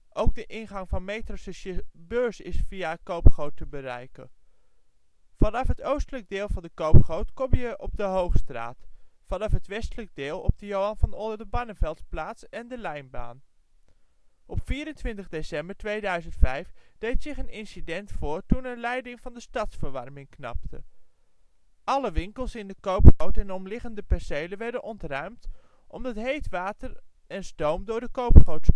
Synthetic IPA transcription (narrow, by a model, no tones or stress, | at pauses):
ʔowɡ̚dəʔɪnχɑŋvɑnmejtrossəbøːɹsɪsfijakowpχowtəbərɛ̰jkə̰n | fɑnɑfɦətowstələɡ̚dɪːlˠvɑndəkowpχowtkɔmjəʔɔb̚dəɦowχstra̰ːtfɑnɑfɦətʋɛstələɡ̚dɪːlˠɔ̰b̚dəjowɑnvɑnɔndəɹdəbɑnənvɛlˠtplaːtsɛndəlɛjnba̰ːn | ʔɔpfiːɾəntʋɪntəχdesɛmbəɹtʋejdœɥzəntfɛjfd̥ejtsɪχənɪnsidɛntfʊːɹtunənlɛjdɪŋvɑndəstɑtsfəɹʋɑɹmɪŋknɑ̰p̚tʰə | ɑləʋɪŋkəlˠsɪndəkowpχowtɛnɔmlɪχəndəpɛɹsejləʋɛɹdənʔɔntrœɥmt | ʔɔmdɑtɦejtʋaːtəɹ | ɛnstowmdʊːɹdəkowpχowt